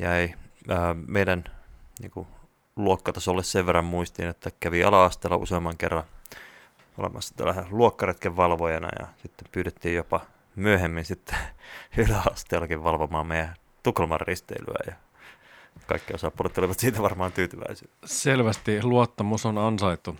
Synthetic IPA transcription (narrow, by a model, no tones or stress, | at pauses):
jɑeiəːmeidænnḭːŋku | luokːɑt̪ɑsolːesseʋʋerːɑmmuist̪inet̪ːækæʋiɑlɑɑst̪eːlːɑ̰ṵseɑmːɑŋkḛrːɑn | o̰lḛmɑsːɑ̥t̪æ̰lːæhæluokːɑret̪keʋʋɑlʋojɑnɑ̰jɑ̰sit̪ːempyːtet̪ːiːjjopɑ | myøhemːinsit̪ːe̥ylæɑst̪eːlːɑkiʋʋɑlʋomɑːmmeijæ | t̪uklɑmɑrrist̪ḛily̰æ̰jɑ | kɑ̰ikːiosɑpːulet̪ːoliʋɑt̪siːt̪æʋɑrmɑːnt̪yːt̪yʋæ̰isilːselʋæst̪iluot̪ːɑmusonɑnsɑit̪ːu